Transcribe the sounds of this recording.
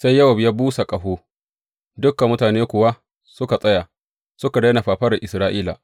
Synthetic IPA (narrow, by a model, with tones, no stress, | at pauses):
sa˦jːɐ˦wɐ˨bjaː˦buː˦sa˨kʼɐ˨ɦoː˦ | dʊ˦kːa˨mʊ˦taː˨neː˦kʷʊ˨wa˦ | sʊ˦ka˨sʼɐ˦ja˨ | sʊ˦ka˨da˦na˨ɸaː˨ɸɐ˦ɾɐ˨ʔɪ˨sɾaː˦ʔiː˦la̰˨